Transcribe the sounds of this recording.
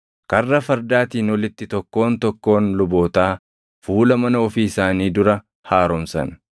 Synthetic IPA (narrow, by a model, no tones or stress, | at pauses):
kɐrːɐfɐɾd̪aːt̪iːnɔlɪt̪ːɪt̪ɔkːo̞ːnt̪ɔkːo̞ːnlʊbo̞ːt̪aː | fuːlɐmɐnɐɔfiːɪsaːniːd̪ʊɾɐ | haːɾɔmsɐ̰n